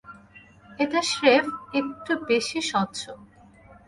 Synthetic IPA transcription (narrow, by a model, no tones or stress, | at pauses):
et̪aʃɾefek̚ʈubeʃiʃɔtːt͡ɕʰo